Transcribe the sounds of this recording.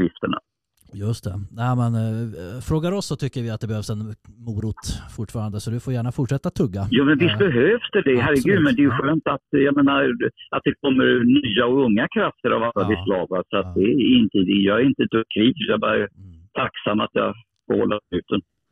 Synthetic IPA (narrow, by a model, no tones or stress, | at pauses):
jɪft̪əɳa̰ | jɵst̪ʰɛnæɪmɛnfɾoːɡaɾɔsːɔt̪ʰʏkːəɾvɪat̪̚d̪ɛbɛhøːvsɛnmuːɾut̪fʊʈːfɑːɾand̪əsɔd̪ɵfoːɾjæːɳafʊʈʂɛt̪ːat̪ʰːɵɡːajuːmɛnvɪst̪bɛɦøːvsd̪̥ɛɖ̪ɛɦæɾːɛɡʉ̟ːd̪mɛnd̪ɛjɵɧøːnt̪at̪jameːnaɾat̪̚d̪ɛkʰɔmːəɾnyːaɔɵŋːakʰɾaft̪əɾa̰valːabɪslɑːvasɔat̪̚d̪ɛɪnt̪ʰiːd̪ɪɡjɑːɡɛɾɪnt̪əd̪ʰɵkʰːɾiːvjɑbɑːɾat̪ʰaksamːat̪jɑ̰ | fɔhɔ̰lːaʉ̟ːt̪ən